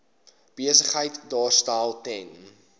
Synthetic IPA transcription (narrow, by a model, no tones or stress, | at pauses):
b̥iəsəχɦəjtdɑːrstælˠtɛn